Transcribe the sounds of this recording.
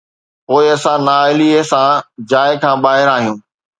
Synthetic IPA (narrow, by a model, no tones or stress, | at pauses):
poːɪɐsãnaɪliesãd͡ʑaːɪkʰãːɓaːɦɪɾaːɦijũː